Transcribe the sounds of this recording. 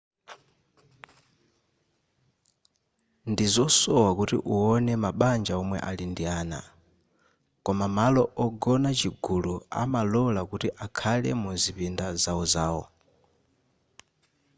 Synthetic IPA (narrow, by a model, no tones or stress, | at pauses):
ndizɔsɔwakutḭʔuɔnɛmaɓand͡ʒaɔmwɛ̰ʔalindiaːna̰ | kɔmamalɔʔɔɡɔnat͡ʃiɡulua̰malɔlakutiʔakʰalɛ̰muzipindazaɔzaːwɔ̰